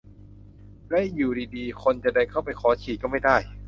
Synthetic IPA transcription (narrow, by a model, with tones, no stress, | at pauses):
lɛ˦˥juː˨˩ɾiː˧diː˧kʰo˧nt͡ɕa˨˩da˥˩jkʰa˥˩wpa˧jkʰɔː˩˦t͡ɕʰiː˨˩t̪̚kɔː˥˩ma˥˩jdaː˥˩j